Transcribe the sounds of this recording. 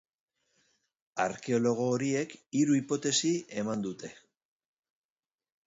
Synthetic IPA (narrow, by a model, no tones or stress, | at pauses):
a̰ɾke̞o̞lo̞ɣ̞o̞ːɾie̞kiɾuipo̞t̪e̞sie̞mand̪ut̪e̞